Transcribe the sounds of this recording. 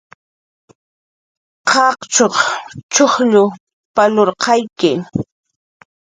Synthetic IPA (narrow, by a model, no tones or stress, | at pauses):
qʰɑqt͡ʃoχt͡ʃoχʎʊ | paloɾqɑjkɪ